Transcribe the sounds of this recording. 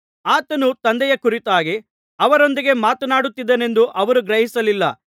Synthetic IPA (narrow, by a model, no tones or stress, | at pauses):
aːt̪ɐnut̪ɐnd̪ɛjɐkuɾit̪aːɡi | ɐʋɐɾo̞nd̪iɡe̞maːt̪ɐnaːɽut̪ːid̪ːɐne̞nd̪uʔɐʋɐɾuɡɾɐɦisɐlilːɐ̰